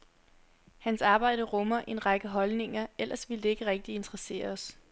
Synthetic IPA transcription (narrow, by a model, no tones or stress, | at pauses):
hænsɑ̈ːb̥ɑ̈ɪ̰dəʁɔmɐʔe̝nʁɑ̈ɡ̥əɦɒ̽lne̝ŋɐel̰ʔɐsʋild̥e̝e̝ɡ̥əʁɛɡ̥̚d̥ie̝nd̥ʰʁɐse̝̰ːɐɒ̽s